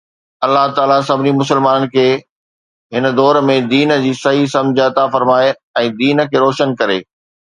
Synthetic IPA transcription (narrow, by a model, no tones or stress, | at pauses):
ɐlːaɦt̪aːlas̬ɐbʱɪnimʊsəlmaːnənɪ̆kʰeː | ɦɪnə̆d̪ɔːɾmẽd̪iːnd͡ʑiːsɐɦisɐ̃md͡ʑʱəɐt̪afɐɾmaːe | ɛ̃ːd̪iːnə̆kʰeːɾɔːʃənkɐɾeː